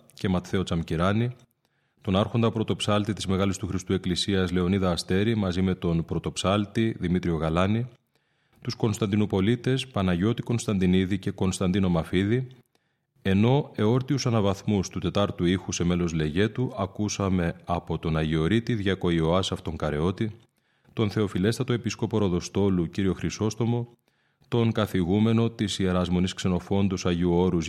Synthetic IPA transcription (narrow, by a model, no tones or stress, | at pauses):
ce̞mɐt̪θe̞o̞t͡sɐmciɾɐni | t̪o̞nɐɾxo̞nd̪ɐpɾo̞t̪o̞psɐlt̪it̪izme̞ɣɐlist̪uxɾist̪ue̞klisiɐzle̞o̞niðɐːst̪e̞ɾimɐzime̞t̪o̞npɾo̞t̪o̞psɐlt̪iðimit̪ɾio̞ɣɐlɐni | t̪usko̞nst̪ɐnd̪inopo̞lit̪e̞spɐnɐʝo̞t̪iko̞nst̪ɐnd̪iniðice̞ko̞nst̪ɐnd̪ino̞mɐfiði | e̞no̞e̞o̞ɾt̪iusɐnɐvɐθmust̪ut̪e̞t̪ɐɾt̪uixuseme̞lo̞zle̞ʝe̞t̪uʔɐkusɐme̞ɐpo̞t̪o̞nɐʝio̞ɾit̪iðʝɐko̞io̞ɐsɐft̪o̞ŋkɐɾe̞o̞t̪i | t̪o̞nθe̞o̞file̞st̪ɐt̪o̞e̞pisko̞po̞ɾo̞ðo̞st̪o̞luciɾio̞xɾiso̞st̪o̞mo̞ | t̪o̞ŋkɐθiɣume̞no̞t̪isie̞ɾɐzmo̞niskse̞no̞fo̞nd̪usɐʝuo̞ɾuz